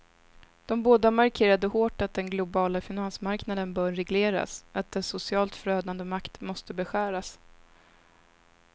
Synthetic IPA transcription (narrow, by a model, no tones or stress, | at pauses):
d̪̥ɔmboːd̪amaɾkʰeːɾad̪əhoːʈat̪̚d̪ɛnɡlʊbɑːlafɪnansmaɾknad̪ənbœːɾːɛɡleːɾa̰sat̪̚d̪ɛsʊsɪɑːlt̪fɾøːd̪and̪əmakt̪mɔst̪əbɛɧæːɾas